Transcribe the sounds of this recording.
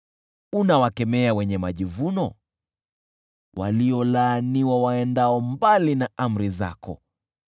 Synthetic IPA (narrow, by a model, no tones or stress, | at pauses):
unawakɛmɛawɛɲɛmaʄivunɔ | wʔa̰liɔlaːniwawaɛndaɔmbalinaam̩ɾiza̰kɔ̰